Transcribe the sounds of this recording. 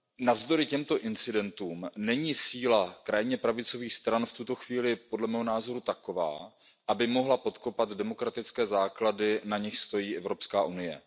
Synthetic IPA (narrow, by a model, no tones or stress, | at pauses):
navzd̪o̞ɾɪcɛmt̪o̞ʔɪnt͡sɪdɛnt̪uːmnɛɲiːsiːlakɾajɪɲɛpɾavɪt͡so̞viːxst̪ɾanft̪ut̪o̞xviːlɪpo̞dlɛmɛːɦo̞naːzo̞ɾut̪ako̞va̰ː | ʔabɪmo̞ɦlapo̞t̪ko̞pad̪dɛmo̞kɾat̪ɪt͡skɛːzaːkladɪnaɲɪxst̪o̞jiːʔɛvɾo̞pskaːʔunɪjɛ̰